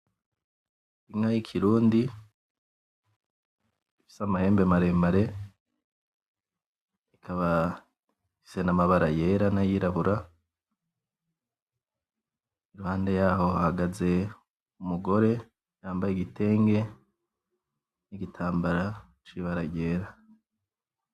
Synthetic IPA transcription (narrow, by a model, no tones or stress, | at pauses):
iŋajikʰiɾuːndi | ifi̥samahe̞ːmbemaɾe̞maɾe̞ | ikʰaβa | fise̞namaβaɾaje̞ːɾanajiɾaβuɾa | iɾuhaːnde̞jaːho̞hahaɡaze̞ | umuɡo̞ɾe̞ | jaːmbajeɡite̞ːŋɡe̞ | niɡitʰaːmbaɾa | t͡ʃiβaɾaɟe̞ːɾa